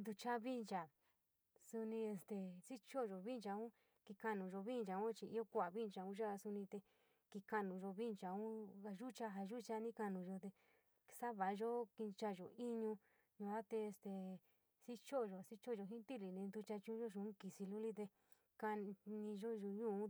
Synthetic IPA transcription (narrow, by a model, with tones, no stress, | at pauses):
nd̪u˧t͡ʃa˧βi˦nt͡ʃa˨ | su˧nĩ˧e˧st̪e˨si˦t͡ʃo˦˧ʒo˨βi˦nt͡ʃa˧ũ˦ | ki˧ka˧nũ˨ʒo˧βi˦˧nd͡ʒa˧ũ˦t͡ʃi˧i˧o˦kʷa˨βi˦˧nt͡ʃa˧ũ˦ʒa˦˧su˧nĩ˧t̪e˧ | ki˧ka˧nũ˧˨ʒo˧βi˦nt͡ʃa˧ũ˦a˧ʒu˦t͡ʃa˧ɦa˧ʒu˦t͡ʃa˧nĩ˦ka˧nũ˧ʒo˧t̪e˧ | sa˦βa˨˧ʒo˦ki˧t͡ʃa˧˨ʒo̰˨i˦ɲũ˧ | ɲũ˧a˦t̪e˧e˧st̪e˨ | si˦t͡ʃo˦˧ʒo˨si˦t͡ʃo˦˨ʒo˧ɦĩ˦t̪i˦li˨nĩ˧nd̪u˧t͡ʃa˧t͡ʃũ˦ʒo˦ʃũ˧˦ki˨si˧lu˦li˦t̪e˧ | ka˧nĩ˧ʒo˦ʒo˧ɲũː˦˨ũ˦